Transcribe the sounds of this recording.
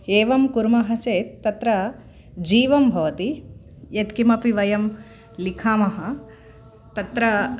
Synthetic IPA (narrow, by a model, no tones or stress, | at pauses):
eːʋɐmkuɾmɐɦɐt͡ʃeːt̪ːɐt̪ɾɐ | d͡ʒiːʋɐmbʱɐʋɐt̪i | jɐt̪kimɐpiʋɐjɐm | likʰaːmɐɦɐ | t̪ɐt̪ɾɐ